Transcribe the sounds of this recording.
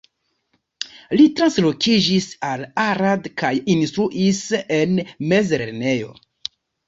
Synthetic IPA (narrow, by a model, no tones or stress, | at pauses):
litɾanslo̞kʰid͡ʒisalaɾadkajinstɾuʔise̞nme̞zɾḛɾne̞jo̞̰